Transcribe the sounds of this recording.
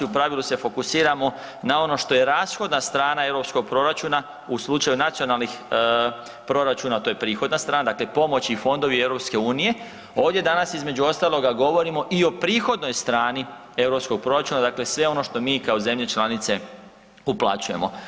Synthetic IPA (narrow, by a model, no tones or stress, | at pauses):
iupɾaʋilˠuse̞fo̞kusiːɾamo̞ | nao̞no̞ʃt̪o̞je̞ɾaːsxo̞d̪nast̪ɾaːnae̞ʋɾo̞psko̞ɡ̚pɾo̞ɾat͡ʃuːna | uslˠut͡ʃajunat̪sio̞nalˠnix | pɾo̞ɾat͡ʃuːnat̪o̞je̞pɾiːxo̞d̪nast̪ɾaːnad̪akle̞po̞mo̞t͡ɕifo̞nd̪o̞ʋie̞vɾo̞pske̞uːnije̞ | o̞ːʋdje̞d̪anasizme̞d͡ʑuo̞st̪aːlˠo̞ɡaɡo̞ʋo̞ɾimo̞ʔio̞pɾiːxo̞d̪no̞jst̪ɾaːni | e̞ʋɾo̞psko̞ɡ̚pɾo̞ɾat͡ʃuːnad̪akle̞sʋe̞o̞no̞ʃt̪o̞miːkaoze̞mʎe̞t͡ʃlˠanit̪se̞ | uplˠa̰t͡ʃuje̞mo̞̰